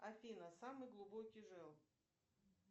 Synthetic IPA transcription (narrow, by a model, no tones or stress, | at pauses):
ɐfʲinəsamɨjɡlˠʊbokʲijʐɛlˠ